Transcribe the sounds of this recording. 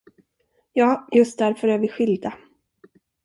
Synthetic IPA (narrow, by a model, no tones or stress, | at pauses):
jɑːjɵst̪̚d̪æɾfœɾæːɾvɪɧɪld̪a